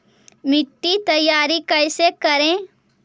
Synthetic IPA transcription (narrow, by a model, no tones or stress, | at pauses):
mɪʈːit̪ɐjːaːɾikɐɪsekɐɾẽ